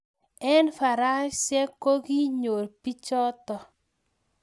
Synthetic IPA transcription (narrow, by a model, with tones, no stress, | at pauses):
ɛ˦nfa˨ɾa˦ʃɛ˦ko˦ɡi˦ɲo˨ɾpi˦t͡ʃɔ˦tɔ˨